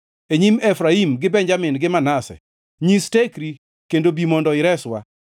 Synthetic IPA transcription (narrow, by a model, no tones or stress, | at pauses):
eɲimefɾaimɡɪbɛɲd͡ʒamɪnɡɪmanasɛ̰ | ɲistekɾi | kendobimɔndɔɪɾɛswa̰